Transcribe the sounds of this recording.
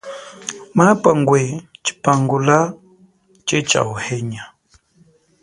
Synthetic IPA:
mapaŋɡwet͡ʃi̥paŋɡula | t͡ʃet͡ʃa̰uhɛɲa

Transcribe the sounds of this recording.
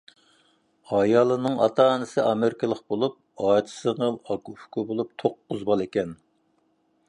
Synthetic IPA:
ɑjɑːlˠɨnɨŋɑ̰t̪ʰɑːnɨsɨʔɑmeɾɪkʰɨlˠəqbolˠup̚ɑt̪ʰɨ̥sɨʁəlˠɑɡufkubolˠup̚t̪ʰoqːʊzbɑlˠekʲɛn

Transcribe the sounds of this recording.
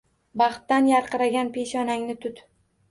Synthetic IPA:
bɑχt̪ːanjaɾqɨɾaɡʲanpʰe̞ʃɒnaŋnɪt̪ʰʊt̪

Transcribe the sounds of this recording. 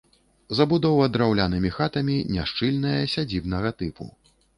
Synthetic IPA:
zɐbud̪ɔwɐd̪ɾawlʲanɨmʲixat̪ɐmʲinʲaʂt͡ʂɨlʲnɐjɐsʲad͡zʲibn̪ɐɣɐt̪ɨpṵ

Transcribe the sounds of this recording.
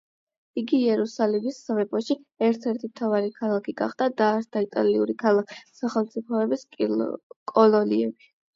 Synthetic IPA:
iɡiːɛɾusalimisːavɛpʼɔʃiɛɾt̪ʰɛɾt̪ʰimt̪ʰavaɾikʰalˠakʰiɡa̰χd̪ad̪aɾsd̪ʰait̪ʼa̰liuɾikʰalˠakʰi̥saχɛlˠmt̪sʼipʰɔɛbisʼ | kʼɔlɔliɛbi

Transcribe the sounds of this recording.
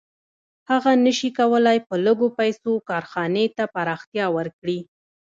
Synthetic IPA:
haɣanəʃikawəlajpələɡopajsokɑɾxɑnet̪apaɾɑxt̪jɑwəɾkɽi

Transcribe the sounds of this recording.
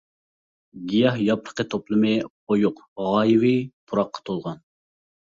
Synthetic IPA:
ɡʲijɑhjɑpɾə̥qʰət̪ʰoplˠɨmɨ | ojʊqʁɑːjiwipʰuɾɑqːɑ̥t̪ʰolˠʁɑn

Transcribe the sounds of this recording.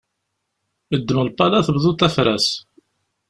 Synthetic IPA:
əd̪ːəməlpːɑlæθəbðut̪ːæfɾæ̰s

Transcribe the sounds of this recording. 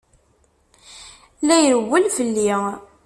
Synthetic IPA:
læjəɾəwːəlfəlːi

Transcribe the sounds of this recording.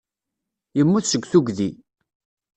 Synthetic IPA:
jəmːuθsəɡʷθuɡði

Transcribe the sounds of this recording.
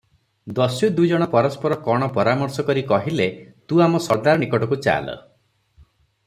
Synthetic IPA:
d̪ɔsjud̪ujd͡ʒɔɽ̃ɔpɔɾɔspɔɾɔkɔɽ̃ɔpɔɾamɔɾsɔkɔɾikɔɦilet̪uamɔsɔɾd̪aɾɔnikɔʈɔkut͡ʃa̰lɔ̰

